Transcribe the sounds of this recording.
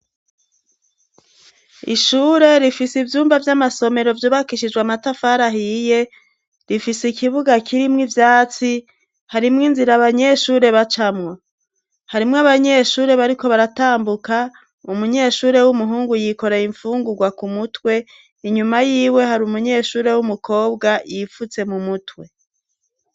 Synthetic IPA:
ḭʃuːɾe̞ɾifisivjuːmvavjamaso̞me̞ɾo̞vjoβakiʃid͡ʒɡwamatafaɾaɦije̞ | ɾifisikiβuɡakʰiɾimŋivjaːt͡si | haɾimŋinziɾaβaɲe̞ʃuːɾe̞βat͡ʃamŋa | haɾimŋaβaɲe̞ʃuːɾe̞βaɾiko̞βaɾataːmbuka | umuɲe̞ʃuːɾe̞wumuɦuːŋɡujiko̞ɾeiɱfuːŋɡuɡwakumutwe̞ | iɲumajiːwe̞haɾumuɲe̞ːʃuːɾe̞wumukʰo̞ːbɡajifut͡se̞mumutwe̞

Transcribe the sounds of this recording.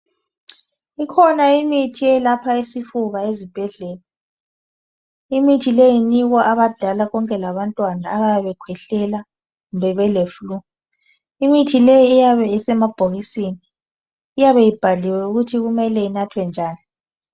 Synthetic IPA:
ikʰɔnaimitʰijɛlapʰaisifuɣaezib̥ʱɛɮɛːla | imitʰilejiniɣwaʔaβad̥ʱalaɣɔŋkʼɛlaβantʼwanaːɣajaβɛkʰwɛɬɛla | ɣumbɛβɛleflu | imitʰilejiːjaβɛisɛmab̥ʱoɣisiːni | ijaβɛjib̥ʱaliwɛuɣutʰiɣumɛlɛinatʰwɛnd͡ʒʱaːni

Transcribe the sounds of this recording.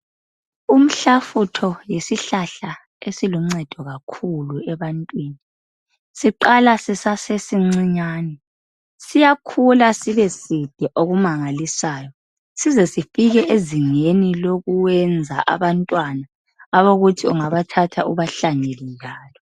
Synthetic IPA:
um̩ɬafutʰɔjesiɬaɬa | esilum̩ŋ͡ǀɛd̥ʱɔɣakʰuluɛβantʼwiːni | siǃalasisasesiŋ͡ǀiɲaːnɛ | sijakʰulasiβɛsid̥ʱiʔoɣumaŋalisaːjɔ | sizɛsifiɣɛʔeziŋeniloɣuwɛnd͡zʱaʔa̰βantʼwanaː | βoɣutʰiuŋaβatʰatʰaʔuβaɬaɲelijaːlɔ

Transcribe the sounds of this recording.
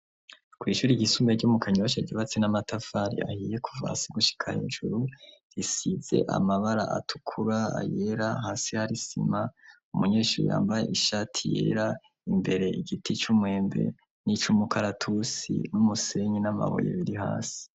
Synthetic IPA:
kwiːʃuːɾiɟisumeɟumukaɲuwaʃaɟiβat͡senamatafaɾḭa̰hije̞kʰuva̰siɡuʃi̥kʰa̰hḭnʒuɾuɾisize̞̰ʔa̰maβaɾa̰ʔa̰tʰu̥kʰuɾaa̰je̞ɾaɦaːsihaɾisḭma | umuɲe̞ːʃuːɾṵja̰ːmbaje̞̰ʔiʃatʰijḛːɾa | imbe̞ɾe̞iɡitit͡ʃumwe̞ːmbe̞̰ | nit͡ʃumukʰaɾatʰusḭnumuse̞ɲinama̰βo̰jḛβiɾiha̰ːsi̥

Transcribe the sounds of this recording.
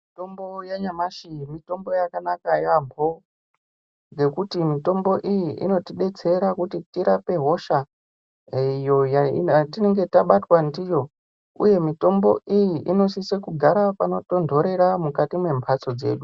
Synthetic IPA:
itombojaɲamaʃimito̞mbo̞jakanakajampo̞ | ŋɡe̞kutimito̞mbo̞ʔijiʔḭno̞tiɗe̞t͡se̞ɾakutitiɾape̞ɦo̞ʃa | ijojaḭtine̞ŋɡe̞taɓatwandijo̞ | ṵje̞mito̞mbo̞ʔijiʔino̞sisekuɡʱaɾapano̞to̞ndʱo̞ɾe̞ɾamukatimwe̞mpʰat͡so̞d͡ze̞̰ːɗu

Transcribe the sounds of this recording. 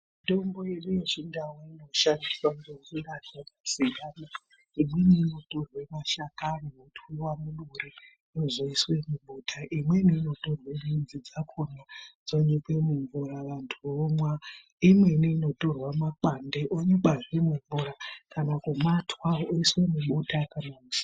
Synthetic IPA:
to̞mbo̞jeɗijot͡ʃindawoino̞ʃandiswaŋɡoɱurazakasijaːna | imweniːno̞to̞rwemaʃakaneoutuwamuluri | nozoiswe̞muɓutʰaʔimweniːno̞to̞rwenind͡zid͡zakʰonad͡zoɲikemuɱvuɾaʋantʰuromwa | imwe̞niːno̞to̞rwamak͡pandeʔoɲeɓarwemuɱvurakanakumatʰwaoiswe̞muɓutʰakanai

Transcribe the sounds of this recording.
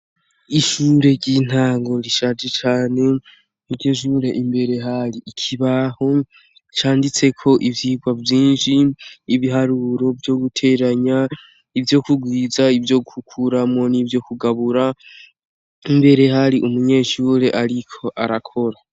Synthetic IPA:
iʃuːɾe̞ɾɟin̥haːŋɡo̞ɾiʃaːd͡ʒet͡ʃaːne̞ | nuɾɟeʃ̬uɾe̞ʔimbe̞ɾe̞ɦaɾiikʰiβaho̞ | t͡ʃaːndit͡se̞kʰo̞ʔivjiːɡwavjiːnʃiːβiɦaɾuɾo̞vjo̞ɡutʰe̞ɾaɲa | ivjo̞kuɡwiːzaivjo̞ɡuhukʰuɾamo̞nivjo̞kuɡaβuɾa | imbe̞ɾe̞haɾiʔumuɲe̞ːʃuɾe̞ʔaɾikʰo̞ʔaɾakʰo̞ɾa

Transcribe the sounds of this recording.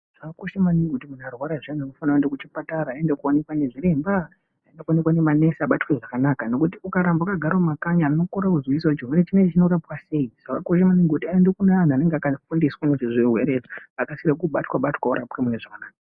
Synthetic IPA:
ʐ̥akakoʃemaniŋɡeutimunarwaɾaʐan̤uanofanraendekut͡ʃipataɾaːendekuone̞kwane̞ʐiɾe̞mba | aendekuonekwanemane̞saɓatweʐakanakano̞kutiukaɾambaakaɡʱaɾomakaɲaːnokoɾakuzwisat͡ʃiɦweɾet͡ʃined͡ʒt͡ʃino̞ɾapwase̞iʐ̥akakoʃemaniŋɡutiaendekunan̤aːne̞ŋɡeakafundiswaneʐiʐiɦwe̞ɾed͡ziakasirak̬uɓatwaɓatwauɾapwemuneʐakanaːka

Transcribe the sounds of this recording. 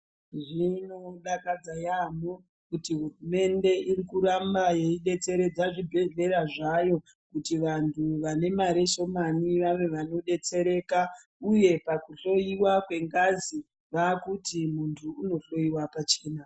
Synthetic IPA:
ʐino̞ɗakad͡zajamo | kutiɦurume̞nde̞ʔirikuɾambaje̞iɗe̞t͡se̞ɾe̞d͡zaʐibʱe̞ɮe̞ɾaʐajo̞ | kutiʋantʰuʋane̞maɾe̞ʃo̞maniʋaʋe̞ʋano̞ɗe̞t͡se̞ɾe̞ka | uje̞pakuɬo̞jiwakwe̞ŋɡazi | ʋakutimuntʰuːno̞ɬo̞jiwapat͡ʃe̞ːna

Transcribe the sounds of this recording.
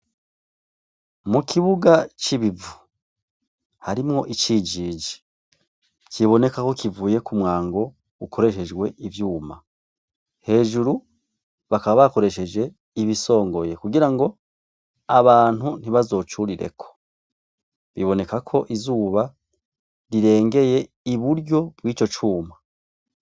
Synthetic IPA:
mukʰiβuɡat͡ʃiβivu̥ | haɾimŋo̞ʔit͡ʃiːd͡ʒiːd͡ʒi̥ | kiβo̞ne̞kako̞kivuːje̞kumŋaːŋɡo̞ | ukʰo̞ɾe̞ʃe̞d͡ʒɡwe̞ʔivjuːma | he̞ːʒuɾu | βakaβaβako̞ɾe̞ʃe̞d͡ʒe̞ | iβiso̞ːŋɡo̞je̞kuɡiɾaŋɡo̞ | aβaːn̥hun̥iβazo̞ːt͡ʃuɾiɾḛkʰo̥ | βiβo̞ne̞kakʰo̞ʔizuːβa | ɾiɾe̞ːŋɡe̞je̞ | iβuɾjo̞bwiːt͡ʃo̞t͡ʃuːma

